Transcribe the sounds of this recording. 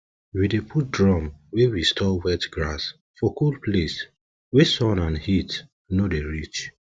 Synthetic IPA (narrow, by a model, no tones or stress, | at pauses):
widepʰut̚dɹɔ̃mwewistʰɔlwɛtɡɹas | fɔkulples | wesɔ̃nãnhit | nodeɹit͡ʃ